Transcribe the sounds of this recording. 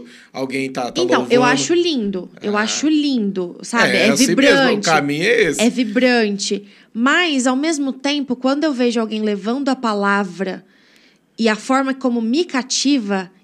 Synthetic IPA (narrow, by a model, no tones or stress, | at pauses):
a̰wɡẽj̃t̪at̪ẽt̪ɐ̃wewaʃʊlĩnd̪ʊḛwaʃʊlĩnd̪ʊsabɪɛvibɾɐ̃t͡ʃkamĩɲɛisɛvibɾɐ̃t͡ʃɪ | majzawmezmʊt̪ẽmpʊkwɐ̃nd̪ʊewveʒʊawɡẽj̃levɐ̃nd̪ʊɐpalavɾɐ | ɪɐfɔɾmɐkõmʊmikat͡ʃivɐ